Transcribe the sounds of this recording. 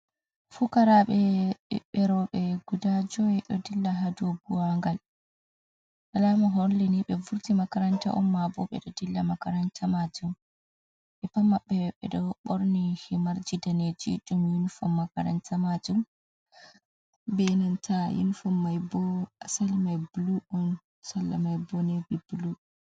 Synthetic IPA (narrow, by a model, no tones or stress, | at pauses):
fukaɾaɓɛɓɛɾɔɓɛɡudad͡ʒɔjɛɗɔdilːaɦaduobuwaŋɡal | ʔalamaɦɔnliniɓɛvuɾtimakaɾanta̰ʔɔmːabɔɓɛ̰ɗɔdilːamakaɾantamad͡ʒum | ʔɛpamːaɓːɛɓɛ̰ɗɔɓoɾnihimaɾd͡ʒidaned͡ʒḭɗumjinfɔmːakaɾa̰ntamad͡ʒum | benantʰajḭnfɔmːajbɔasalmajbuluɔn | salːamajbɔnebibulu